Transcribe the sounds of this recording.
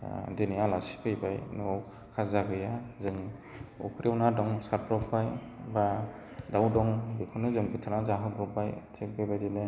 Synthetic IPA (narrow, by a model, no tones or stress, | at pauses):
dɯnijalasi̥pʰɯjbajnɔk | kʰazaɡɯjazɯŋ | ɔ̰kʰɾiawnadɔŋsapɾɔpaj | ba | dawdɔŋbikʰɔnɯzɯŋbɯtʰanazaɦɯɡɾubajtʰek̚bebajdine